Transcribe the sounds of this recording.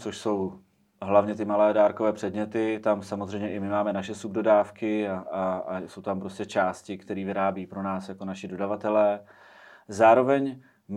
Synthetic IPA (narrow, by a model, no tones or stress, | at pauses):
t͡soʃso̞w | ɦlavɲɛt̪ɪmalɛːdaːɾkovɛːpr̥ɛdɲɛt̪ɪt̪amsamozrɛjmɲɛʔɪmɪmaːmɛnaʃɛsub̚dodaːfkɪaso̞wt̪ampɾo̞scɛt͡ʃaːscɪkt̪ɛɾiːvɪɾaːbiiːpɾo̞naːsjakonaʃɪdo̞davat̪ɛlɛː | zaːɾo̞vɛɲ | m